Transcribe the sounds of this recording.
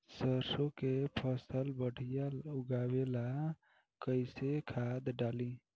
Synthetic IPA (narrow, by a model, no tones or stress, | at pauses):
səɾsokepʰəsəlbəɽ̤ijauɡawela | kəɪsekʰad̪ɖali